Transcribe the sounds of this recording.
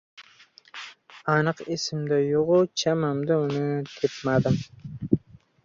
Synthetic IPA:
ɑnɨqesɪmd̪ajoʁʊt͡ʃʰamamd̪aʊnɪt̪ʰepmad̪ɪm

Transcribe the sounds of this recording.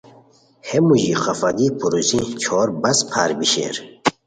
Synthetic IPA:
hemuʑiqafad̪ipʰuɾuzĩt͡ɕʰoɾbɐspʰaːɾbiɕḛɾ

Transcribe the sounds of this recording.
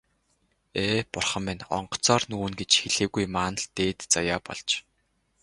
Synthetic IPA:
eːpʊrχə̆mːɪnɔ̰ɴɢɞ̥̆t͡sɔːrnuːnɡet͡ɕxeɮeːɣujmaːnə̆ɮt̪eːt̪t͡sajaːpɔ̰ɮt͡ɕ

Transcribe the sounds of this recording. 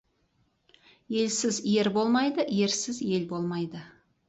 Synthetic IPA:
je̞lsɪzje̞ɾbo̞lˠmɑjd̪əje̞ɾsɪzje̞lbo̞lˠmɑjd̪ə

